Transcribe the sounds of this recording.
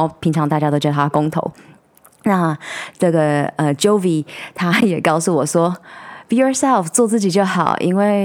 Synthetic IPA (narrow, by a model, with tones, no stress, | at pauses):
pʰi˧˥ŋʈ͡ʂʰɑ˧˦ŋt̪a˥˩t͡ɕja˥t̪o˥ʊt͡ɕʰɛ˧˩˧a˥˧kʊ˥ŋt̪ʰo̰˧˦ʊ | na˥˧ʈ͡ʂɤ˥˩ɡə˩ə˧t͡ɕo˥ʊvi˨˩t̪ʰa˥jɛ˨˩kɑ˥˧ʊsu˥˩wɔ˨˩ʂwɔ˥b̥i˧˨jɔ˨˧sɛ˥˧lft͡swɔ˥˧t͡sɹ̩˥˩t͡ɕi˨˩t͡ɕjo˥˩ʊxɑ˨˩ʊʔḭ˥nwe˥˩ɪ